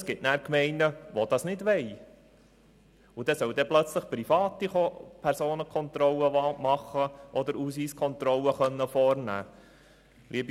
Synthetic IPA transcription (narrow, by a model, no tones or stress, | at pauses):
sɡ̥ɪtnæːɾkmɛɪnəʋod̥̪ɑsnɪdʋɛɪ | ʊd̥̪ɛsœld̪ɛplœt͡sləχpɾifɑːt̪iopʰɛɾsoːnəkʰɔnt̪ɾɔləʋɑmɑχəʔɔd̪əɾuːsiːskʰɔnt̪ɾɔlːəχœnːəfɔɾnæ̰ː | lʔiəbi